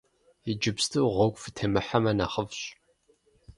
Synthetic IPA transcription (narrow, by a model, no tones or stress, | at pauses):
id͡ʒɪpstʰɨwʁʷɔɡʷfɨtʰɐmɨħamɐna̰ːχəvɕ